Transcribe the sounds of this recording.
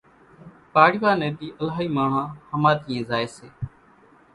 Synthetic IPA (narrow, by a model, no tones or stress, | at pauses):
paːɽiʋaːnẽːd̪iːʔəlaːiːmaːɳ̤ãːhəmaːt̪iːẽːzaːeːseː